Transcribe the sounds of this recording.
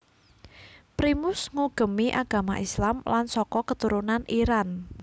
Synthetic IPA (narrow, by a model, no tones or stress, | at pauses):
pɾimʊsŋuɡ̥ə̤miʔaɡ̥a̤maʔislamlansɔkɔkət̪uɾunaniɾan